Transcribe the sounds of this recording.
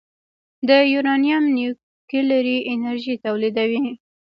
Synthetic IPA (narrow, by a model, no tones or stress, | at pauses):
d̪əjuɾɑnijamni | kilaɾiɪnaɾʒit̪awlid̪awi